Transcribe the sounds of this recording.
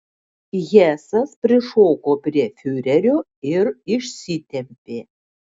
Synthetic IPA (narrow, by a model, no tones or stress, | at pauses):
jʲæːsɐspʲɾʲɪʂoːkoːpʲɾʲiɛfʲyːɾʲɛɾʲoː | ɪrɪʃʲsʲit̪ʲɛmʲpʲeː